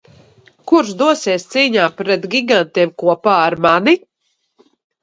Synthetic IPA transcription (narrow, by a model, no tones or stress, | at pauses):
kuɾsd̪uɔsiɛst̪siːɲaːpɾɛt̪ɡʲiɡant̪iɛmkuɔpaːɾmani